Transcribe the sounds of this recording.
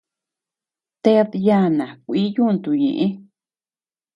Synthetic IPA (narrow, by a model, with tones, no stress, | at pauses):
t̪e˦ðja˦˧˦nã˨kʷi˦jũ˦˧nt̪u˨ɲḛ̃˨ʔẽ˦